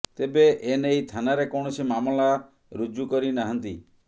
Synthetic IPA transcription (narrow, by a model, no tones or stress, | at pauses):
t̪ebeʔenejt̪ʰanaɾekɔɽ̃ɔsimamɔla | ɾud͡ʒukɔɾinaɦɔnt̪i